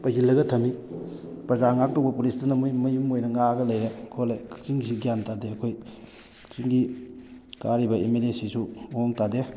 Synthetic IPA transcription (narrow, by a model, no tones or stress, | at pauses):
pɐɡilːɐɡɐtʰɐmi | pɾɐzaŋak̚tokbɐpulistunɐmujmɐjumojnɐŋaɡɐlɐjɾekʰolejkt͡ʃiŋsiɡjantadeɐkʰoj | t͡ʃiŋɡi | kaɾibɐemelesisuoŋtade